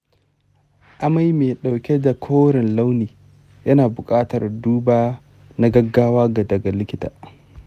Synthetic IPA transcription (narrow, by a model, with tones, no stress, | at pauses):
ʔa˦ma˦jmeː˨ɗa˨wkʲe˦da˨kʰoː˦ɽɪ˨nla˦wniː˨ | jɐ˦naː˨bʊ˨kʼaː˦tɐ˨rduː˦baː˦ | na˦ɡɐ˦ɡːaː˦waː˦ɡa˨dɐ˨ɡa˨lɪ˦kʲɪ˦ta̰ː˨